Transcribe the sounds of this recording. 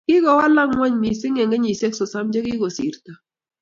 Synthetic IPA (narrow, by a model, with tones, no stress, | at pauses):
kɪ˦ɣɔ˨wa˦la˦ŋwa˦ɲmi˨sɪ˦ŋe˨ŋɡɛ˦ɲi˨se˦ksɔ˨sa˦md͡ʒe˦kɪ˦ɡɔ˨sḭ˨ɾta˨